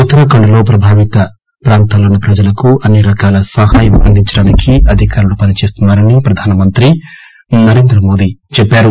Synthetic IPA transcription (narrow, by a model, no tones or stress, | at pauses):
ut̪ːɐɾɐkɐɳɖɐlo̞ːpɾɐbʱaːʋit̪ɐ | pɾaːnt̪ʰaːlounːɐpɾɐd͡ʒɐlɐkuɐnːiɾɐkaːlɐsɐɦaːjɐmɐnd̪ʱiɲt͡ʃɐɽaːnikʰiʔɐd̪ʱikaːɾulupɐnit͡ʃe̞ːst̪unːaːɾɐnipɾɐd̪ʱaːnɐmɐnt̪ɾi | nɐɾe̞ːnd̪ɾɐmo̞ːd̪it͡ʃɛpːaːɾu